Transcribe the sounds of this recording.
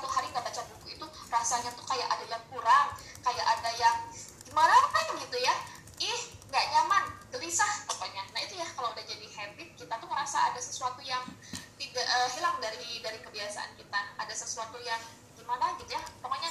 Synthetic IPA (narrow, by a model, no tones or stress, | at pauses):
t̪uɦaɾiŋɡaʔbat͡ʃabukuit̪urasaɲat̪ukajaʔadajaŋkuɾaŋ | kajaʔadajaŋɡimanat̪aɡit̪uja | ɪhŋɡaʔɲamandəlisahkapaɲanait̪ujahkalaudahd͡ʒadihɛndɪt̪̚kit̪at̪uŋəɾasaadasə̥suat̪ujaŋt̪idaʔəɦilaŋdaɾidaɾikəbiasa̰ʔa̰nkit̪aːdasəsuat̪ujaŋ | dimanaɡit̪ujat̪aŋaɲa